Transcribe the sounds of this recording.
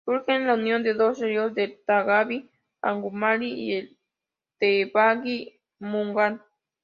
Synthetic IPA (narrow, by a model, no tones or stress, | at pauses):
suɾxenlaunjond̪ed̪oseɾjold̪et̪aɣaβi | a̰ŋɡumalie | t̪eβaɡi | muŋɡan